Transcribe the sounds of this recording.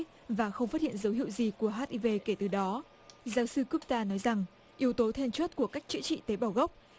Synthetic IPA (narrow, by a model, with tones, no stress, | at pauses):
vaː˨˩xə˧wŋ͡mfaː˦˥t̚hḭ˧ənzə˨˦whḭ˧˨ə˨wzi˨˩ku˧˩əɦaː˦˥t̚ʔi˧ve˧ke˧˩t̪ɨ˨˩ɗɔ˨˦ | zaː˨˦wsɨ˧ku˦˥p̚t̪aː˧nɔ˨˦jza˨˩ŋ | ʔi˨˦əwt̪o˨˦t̪ʰe˧nt͡ɕwə˦˥t̚ku˧˩əkaː˦˥jk̚t͡ɕɨ̰˧˥t͡ɕḭ˧˨t̪e˨˦ɓaː˧˩wɣə˦˥wk͡p̚